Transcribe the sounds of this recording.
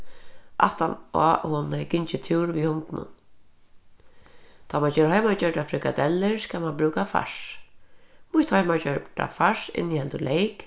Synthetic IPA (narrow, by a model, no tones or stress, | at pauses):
ʔa̰ht̪anɔ̰hʊnakɪɲt͡ʃɪt̪ʰuːɾʋihʊnt̪nʊ̰n | t̪ʰamat͡ʃɛɾhɔjmat͡ʃœʈafɾɪkad̪ɛlːɪɹskaːmanbɾʉːkafa̰ʂ | mʊht̪hɔjmat͡ʃœʈa̰faʂɪ̰nːihɛlt̪ʊlejk